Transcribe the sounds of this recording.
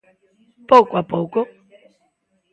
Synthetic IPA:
pokʷwapoko

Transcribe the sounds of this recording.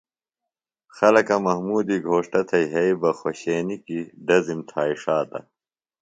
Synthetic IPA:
xɐlɐkɐmɐɦmuːd̪iɡʱoːʂʈɐt̪ʰɐjɦɐibɐxoɕeːnikiɖɐzimt̪ʰaːiʂaːt̪ɐ̰

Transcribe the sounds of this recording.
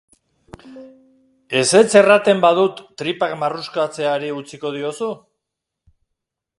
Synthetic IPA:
e̞se̞t͡se̞rat̪e̞mbað̞ut̪ːɾipakmaruskat͡se̞aɾiut͡siko̞ð̞io̞su

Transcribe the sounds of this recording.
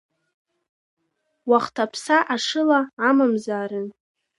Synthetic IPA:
waχtʰapʰsaʔaʂɨlaːmamzaːɾɨn

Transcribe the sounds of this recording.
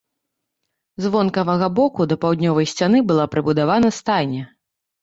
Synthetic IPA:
zvɔnkɐvɐɣɐbɔkud̪ɐpawd̪ʲnʲɔvɐjsʲt͡sʲanɨbɨlˠapɾɨbud̪avan̪ɐst̪ajnʲɛ

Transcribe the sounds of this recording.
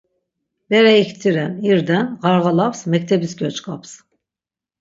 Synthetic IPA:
bɛɾɛict̪ʰiɾæniɾd̪ænɣɑɾɣɑlˠafsmɛc̚ʲt̪ʰɛbisɡʲøt͡ʃkʰaps

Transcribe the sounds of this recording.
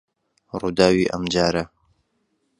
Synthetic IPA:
ruːd̪aːwiːʔɐ̰md͡ʒaːɾɐ

